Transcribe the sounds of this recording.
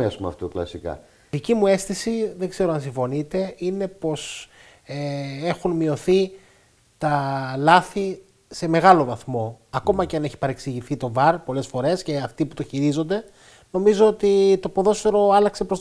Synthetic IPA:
esumɐ̰ft̪oklɐ̰sikɐ̰ | ðicimue̞st̪isiðe̞ɡze̞ɾo̞ɐnsĩɱfo̞nit̪e̞ine̞po̞s | ee̞xunmio̞θi | t̪ɐlɐθi | se̞me̞ɣɐlo̞vɐθmo̞ɐko̞mɐceɐne̞çi̥pɐɾe̞ksiʝiθit̪o̞vɐɾpo̞le̞sfo̞ɾe̞sce̞ɐft̪iput̪oçiɾizo̞nd̪e̞ | no̞mizo̞ot̪it̪o̞poðo̞sfeɾo̞ɐlɐkse̞pɾos

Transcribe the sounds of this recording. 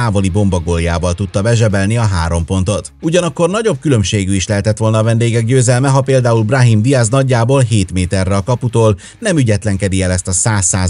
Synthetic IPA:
aːvo̞libo̞mbɒɡolja̰ːvɒlt̪ut̪ːɒbɛʒɛbɛlniɒɦaːɾo̞mpo̞n̪t̪o̞t̪uɟɒnɒkːo̞rnɒɟo̞b̚kylø̞mʃeːɡyiʃlɛɦɛt̪ɛt̪ʋo̞lnɒːvɛnd̪eːɡɛɡɟøːzɛlmɛɦɒpeːld̪aːulbrɒɦimd̪iaznɒɟːaːboːlɦeːt̪meːt̪ɛrːɛɒkɒput̪oːl | nɛmyɟɛt̪lɛŋkɛd̪iɛlɛst̪ɒsaːsːaːz

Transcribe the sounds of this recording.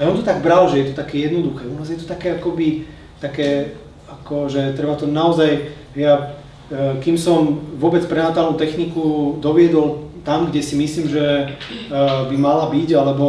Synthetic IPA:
aɔnt̪ɔt̪aɡbɾalʒɛjɛt̪ɔt̪akɛːjɛd̪nɔd̪uxɛːunaːzjɛt̪ɔt̪akɛːakɔbi | t̪akɛː | akɔʒɛt̪ɾɛbat̪ɔnaɔzajɦɛja | kimsɔmʋʊɔbɛt͡spɾɛnat̪aːlnuːt̪ɛxnikud̪ɔʋɪɛd̪ɔlt̪amɡɟɛsimisliːmʒɛ | bimalabiɟalɛbɔ

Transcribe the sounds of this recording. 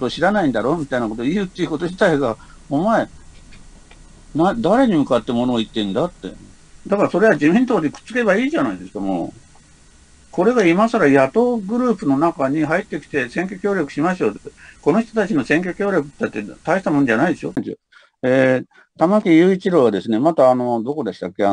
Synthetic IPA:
t̪oɕiɾanaĩnd̪aɾo̞ːmʲit̪ainako̞t̪oiɯ̟t̪ːe̞iɯ̟ko̞t̪oʑit̪aiɡaomae̞ | nad̪aɾe̞ɲ̟imɯ̟kat̪ːe̞mo̞no̞ːit̪ːe̞ɯ̃nd̪at̪ːe̞̰ | d̪akaɾaso̞ɾe̞βad͡ʑimʲĩnt̪oːd̪ekɯ̟̥t͡sɨ̥ke̞βaiːʑanaid̪e̞sɨ̥kamo̞̰ː | ko̞ɾe̞ɡaimasaɾajat̪o̞ːɡɯ̟ɾɯ̟ːpɯ̟no̞nakaɲ̟iɦait̪ːe̞kʲi̥t̪e̞sẽ̞ŋkʲo̞kʲo̞ːɾjo̞kɯ̟̥ɕimaɕiot̪eko̞no̞ç̬ʲit̪ot̪at͡ɕino̞sẽ̞ŋk̬ʲo̞kʲo̞ːɾʲjo̞kɯ̟t̪ːeat̪ːe̞t̪aiɕi̥t̪amonod͡ʑanaid̪e̞ɕo | e | t̪amakʲijɯ̟ːit͡ɕiɾo̞ːβad̪e̞sɨne̞mat̪aːno̞d̪o̞ko̞d̪e̞ɕi̥t̪akʲːe̞a

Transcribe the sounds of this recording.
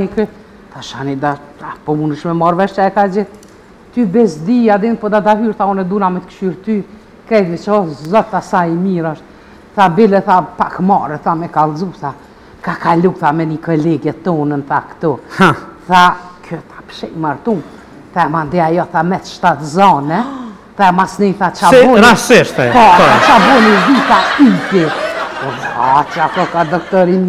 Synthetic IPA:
ikɛ | θaʃanid̪aapɔmunəʃmɛmaɾvɛʃaɛkad͡ʑɛ | t̪ybɛsd̪iad̪ɛnpɔd̪ad̪aɦyɾθaɔnɛd̪unamɛt̪kʃyɾt̪y | kɾɛjvit͡ʃɔzɔt̪ːasajimiɾaʃ | θabilɛθapakmaɾɛθamɛkalˠzuθa | kakaluθamɛnikɔlɛɡɛt̪ɔnənθakt̪u | θakʰyθḁpʃɛjmaɾt̪un | θaɛmand̪ɛajɔθamɛt̪ʃt̪at̪zɔnɛ | θamasnɛθat͡ʃaɔɾassɛʃt̪ɛpɔɔat͡ʃabɔnid̪iθaiti | at͡ʃakɔkad̪ɔkt̪ɔɾim

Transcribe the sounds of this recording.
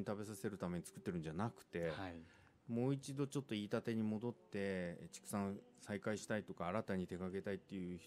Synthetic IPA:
ɲit̪abe̞sase̞ɾɯ̟t̪ame̞ɲ̟i̥t͡sɨ̥kɯ̟t̪ːe̞ɾɯ̟nɲ̟d͡ʑanakɯ̟̥t̪e̞ | mo̞ːit͡ɕid̪o̞t͡ɕo̞t̪ːo̞iːt̪at̪e̞ɲ̟imo̞d̪o̞t̪ːe̞t͡ɕi̥kɯ̟̥sãñsaikaiɕi̥t̪ait̪o̞kaːɾat̪aɲ̟it̪e̞ɡaɡe̞t̪ait̪ːe̞jɯ̟ç

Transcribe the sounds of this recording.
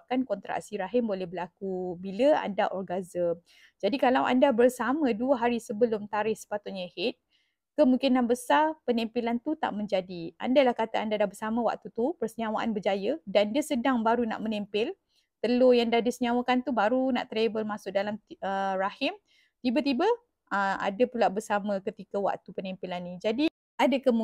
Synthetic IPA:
kankɔnt̪ɾa̰ʔsiɾaɦɪmbolɛhbəlakubiləa̰ndaʔɔrɡazəm | d͡ʒadikalawa̰ndabərsamãduəɦaɾisəbəlʊmt̪aɾɪhsə̥pat̪ʊt̪̚ɲahɪt̪̚ | kəmũŋkɪnːabəsarpənɛmpilant̪ut̪a̰ʔmə̃ɲd͡ʒadiʔa̰ndalahkat̪aandadabərsamãwa̰k̚t̪ut̪upərsəɲãwaʔa̰nbərd͡ʒajədandiəsədaŋbaɾuna̰ʔmənɛmpɪl | t̪əlojaŋdahdisəɲawakant̪ubaɾuna̰ʔt̪ɾebəlmãsʊk̚dalamərahɪm | t̪ibat̪ibə | əa̰dapulaʔbərsamə̃kət̪ikəwa̰kt̪upənimpilanːĩd͡ʒadi | adakəmu

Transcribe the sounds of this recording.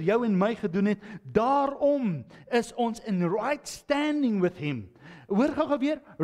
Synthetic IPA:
tjɐwɛnməjχədunɦɛtdɑːɾɔməsɔnsənrɐjtstændɪ̃ŋwəθɦɛmɦuəɾχɐχəviəɾ

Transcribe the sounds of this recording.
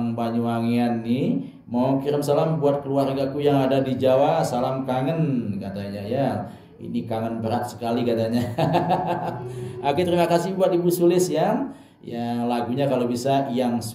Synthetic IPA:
ŋbaɲuaŋeanːɪ | maukiɾəmsalambuat̪̚kəluarɡakujaŋadadid͡ʒawasalamkaŋənkat̪aɲaja | ḭnikaŋənpəɾat̪̚sə̥kalikat̪aɲa | akut̪əɾimakasɪbuat̪̚ibusulɪsja | jalaɡuɲakalobisajaŋs

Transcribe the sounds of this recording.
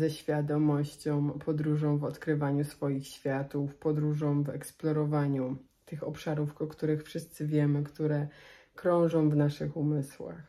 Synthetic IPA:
zɛɕfʲjad̪ɔmɔɕt͡ɕɔ̃w̃pʰɔd̪ɾuʐɔ̃w̃vɔt̪kɾɘvaɲusfɔjixɕfʲjat̪ufpɔd̪ɾuʐɔ̃w̃vɛ̰ksplɔɾɔvaɲu | t̪ɘxɔpʂaɾufkɔkt̪uɾɘxfʂɘst̪sɘvʲjɛmɘkt̪uɾɛ | kɾɔ̃w̃ʐɔ̃w̃vnaʂɘxumɘswa̰x

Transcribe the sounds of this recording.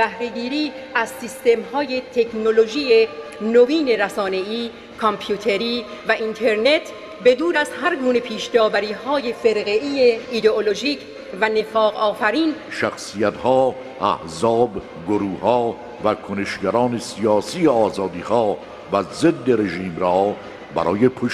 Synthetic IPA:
bæhɾe̞ɡiːɾiːæzsist̪e̞mhɒːje̞t̪ʰekʰno̞lo̞ʒiːenoviːne̞ɾæsɒːne̞iː | kʰompʰjuːt̪ʰe̞ɾiː | væʔint̪ʰe̞ɾne̞t̪ʰ | be̞d̪uːɾæzhæɾɡuːne̞pʰiːʃd̪ɒːbæɾiːhɒːje̞fe̞ɾɣeiːeid̪e̞olo̞ʒiːcʰ | væne̞fɒːɣɒːfæɾiːnʃæxsijæt̪hɒː | ʔæ̰hzɒːb | ɡoɾuːhɒː | vækʰoneʃɟæɾɒːnesiɒːsiːeɒːzɒːd̪iːhɒː | væzed̪ːeɾe̞ʒiːmɾɒː | bæ̰ɾɒːjepʰoʃ

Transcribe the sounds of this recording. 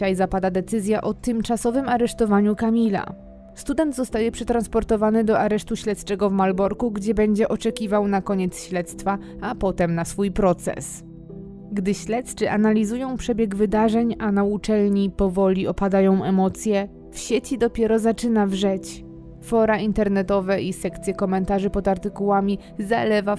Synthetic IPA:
ajzapad̪ad̪ɛt̪sɘzʲjaʔɔt̪ɘmt͡ʂasɔvɘmaɾɛʂt̪ɔvaɲukamʲila̰ | st̪ud̪ɛnd̪zɔst̪ajɛpʂɛt̪ɾanspɔɾt̪ɔvanɘd̪ɔʔaɾɛʂt̪uɕlɛt̪st͡ʂɛɡɔvmalbɔɾkuɡd͡ʑɛbɛɲd͡ʑɛʔɔt͡ʂɛkʲivawnakɔɲɛt̪sɕlɛt̪st̪fa | apɔt̪ɛmnasfujpɾɔt̪sɛ̰s | ɡd̪ɘɕlɛt̪st͡ʂɘʔanalʲizujɔ̃w̃pʂɛbʲjɛɡvɘd̪aʐɛɲanaut͡ʂɛlɲipɔvɔlʲiɔpad̪ajɔ̃w̃ʔɛmɔt̪sʲjɛ | fɕet͡ɕid̪ɔpʲjɛɾɔzat͡ʂɘnavʐɛt͡ɕ | fɔɾaint̪ɛɾnɛt̪ɔvɛʔisɛkt̪sʲjɛkɔmɛnt̪aʐɘpɔd̪aɾt̪ɘkuwamʲi | zalɛva

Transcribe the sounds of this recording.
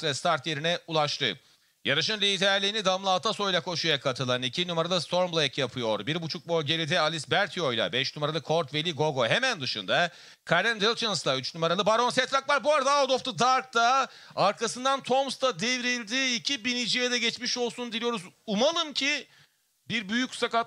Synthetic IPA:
vɛst̪ʰaɾt̪je̞ɾinɛulˠaʃt̪ʰɯ̰ | jaɾɯʃɯnlʲiːd̪ʰæɾlʲiːnid̪amlˠaːt̪ʰaso̞jlʲˠakʰo̞ʃujakʰat̪ʰɯlˠanicʰinumaɾalˠɯst̪ʰo̞ɾmblˠejkjapʰɯjo̞ɾbiɾbut͡ʃʰuk̚bolʲɟe̞lʲid̪ɛalʲisbæɾt̪ʰijo̞jlˠa̰bɛʃnumaɾalˠɯkʰo̞ɾt̪ve̞lʲiɡo̞ɡo̞ɦemænd̪ɯʃɯnd̪a | kʰaɾɛnd̪elˠt̪ʰɯnslˠayt͡ʃnumaɾalˠɯbaɾo̞nsɛt̪ɾakvˠaɾbuaɾd̪aod̪o̞ft̪ʰud̪aɾk̚t̪a | aɾkasɯnd̪ant̪ʰo̞mst̪ad̪evɾilʲd̪iːcʰibinid͡ʒijɛd̪ɛɟɛt͡ʃmiʃo̞lˠsund̪ilʲijo̞ɾuzumalˠɯmcʰi | biɾbyjycsakat

